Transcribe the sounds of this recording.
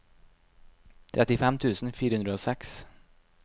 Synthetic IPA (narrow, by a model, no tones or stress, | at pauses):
t̪ʰɾʔɛt̪ɪfɛmt̪ʰʉːsn̩fiːɾəhʉnɾəoːsɛks